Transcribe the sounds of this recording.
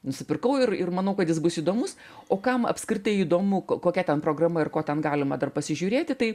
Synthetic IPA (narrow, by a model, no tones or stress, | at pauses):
nʊsʲɪpʲɪrkɐʊɪrɪrmɐnɐʊkɐt̪jɪs̬bʊsiːd̪oːmʊs | oːkɐmɐ̰pskɾʲɪt̪ɐɪiːd̪oːmʊkkoːkʲɛt̪ʲɛnpɾoːɡrɐmɐɪrkoːt̪ʲɛnɡɑːlʲɪmɐd̪ɐrpɐsʲɪʒʲuːɾʲeːt̪ʲɪt̪ɐɪ